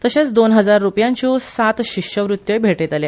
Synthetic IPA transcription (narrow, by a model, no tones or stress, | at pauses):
t̪əɕãt͡sd̪onɦəd͡zaɾːupjãɲt͡ɕɔsat̪ɕikɕəʋɾutt̪ːjəjbʱeʈet̪ale